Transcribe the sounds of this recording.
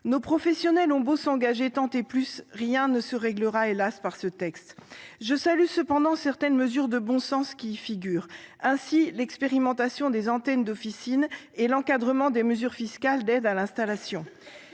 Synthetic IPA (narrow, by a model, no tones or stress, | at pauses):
nopχɔfɛsjɔnɛlɔ̃bosɑ̃ɡaʒet̪ɑ̃t̪eplysʁjɛ̃nəsəʁɛɡləʁaelaspaʁsət̪ɛkst̪ʒəsalysəpɑ̃d̪ɑ̃sɛʁt̪ɛnməzyʁd̪əbɔ̃sɑ̃skʲiːfiɡʲyːʁɛ̃silɛkspeʁimɑ̃t̪asjɔ̃d̪ezɑ̃t̪ɛnd̪ɔfisin | elɑ̃kad̪ʁəmɑ̃d̪eməzyʁfiskald̪ɛd̪alɛ̃st̪alasjɔ̃